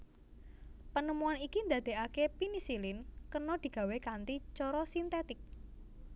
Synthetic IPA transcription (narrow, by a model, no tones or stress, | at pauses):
pənəmuanikind̪a̤d̪̥e̤akepinisilɪnkənɔd̪̥i̤ɡ̥a̤wekant̪it͡ʃɔɾɔsint̪et̪ɪk̚